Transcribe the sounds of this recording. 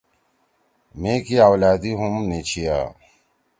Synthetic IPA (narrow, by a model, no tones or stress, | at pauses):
mẽːkiaːwlaːd̪iɦumnet͡ɕʰijaː